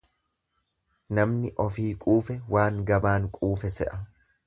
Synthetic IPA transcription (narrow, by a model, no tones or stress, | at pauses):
nɐmnɪʔɔfiːkʼuːfɛwaːŋɡɐbaːŋkʼuːfɛsɛ̰ʔɐ